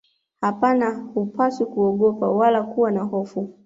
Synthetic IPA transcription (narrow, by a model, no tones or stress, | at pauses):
hapanahupaswikuɔɠɔpawalakuwanaɦɔfu